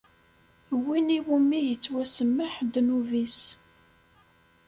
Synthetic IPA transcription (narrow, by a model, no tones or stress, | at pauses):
winiwumːijət͡sːwæsəmːəħd̪nuvis